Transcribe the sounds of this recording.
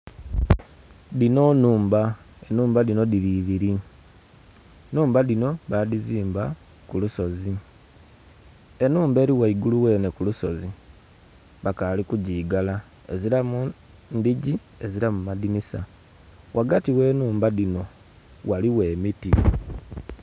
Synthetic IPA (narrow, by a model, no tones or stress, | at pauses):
dino̞nuːmba | enuːmbadino̞diɾiβiɾi | nuːmbadino̞βadiziːmba | kuluso̞zi | e̞nuːmbe̞ːɾiwaiɡuluwe̞ːne̞kuluso̞zi | βakalikuɟiːɡala | eziɾamu | ndiɟi | eziɾamumadinisa | wʔaɡatiwe̞ːnuːmbadino̞ | waliwe̞ːmiti